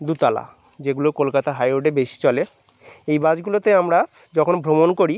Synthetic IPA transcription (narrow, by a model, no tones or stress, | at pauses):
d̪ut̪ala̰ | d͡ʑeɡulokolkat̪aɦajoʈebeʃi̥t͡ɕɔle | ejbad͡ʑɡulot̪eamɾa | d͡ʑɔkʰonbʱɾomonkoɾi